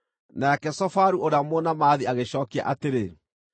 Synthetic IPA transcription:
nakɛsɔfaɾuoɾeamonamaːðiaɣeɕɔːkia̰ʔateɾe

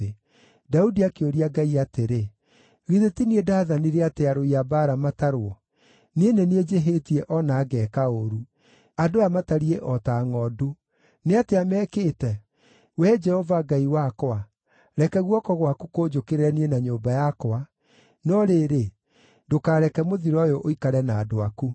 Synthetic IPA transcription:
e | daudiakeoɾiaɡaiateɾe | ɣiðetiniedaðaniɾeateaɾoiabaɾamataɾwɔ | nieneneed͡ʒeɦetiɛʔɔnaːɡɛkaoɾu | adoamataɾiɛʔɔtaŋɔdu | neateamɛkeːtɛ | wɛd͡ʒɛhɔvaɡaiwakoa | ɾɛkɛɣwɔkɔɣwakukod͡ʒokeɾeɾɛnienaɲoːmbajakoa | nɔɾeːɾe | dokaːɾɛkɛmoðiɾɔjɔʔoikaɾɛnaːdoaku

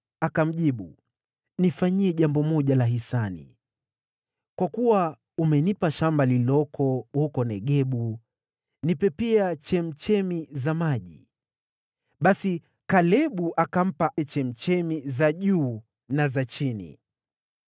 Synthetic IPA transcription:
akam̩ʄiɓu | nifaɲiɛʄambɔmɔʄalaɦisanḭ | kwakuwa | umɛnipaʃambalilɔkʰɔhukɔnɛɠɛɓu | nipɛpiat͡ʃɛm̩t͡ʃɛmizamaʄḭ | ɓasi | kalɛɓuʔakam̩paɛt͡ʃɛm̩t͡ʃɛmizaʄuː | nazat͡ʃinḭ

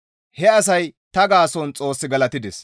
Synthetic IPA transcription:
hɛɐsɐjt̪ɐɡaːsɔnt͡sʼo̞ːsːɪɡɐlɐt̪ɪd̪ɛs

